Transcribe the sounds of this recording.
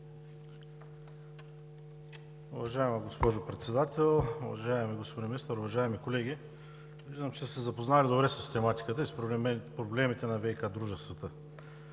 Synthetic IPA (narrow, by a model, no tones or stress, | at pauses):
ʊvɐʒaɛməɡospɔʒopɾɛt̪sɛd̪at̪ɛlˠʊvɐ̰ʒaɛmiɡospod̪imʲnist̪əɾʊvɐʒaɛmikolɛɡʲi | viʒd̪əmt͡ʃɛsɛzɐpoznalʲid̪obɾɛsəst̪ɛmat̪i̥kət̪əispɾopɾoblɛmit̪ɛnɐvɛjkad̪ɾuʒɛst̪vɐt̪ə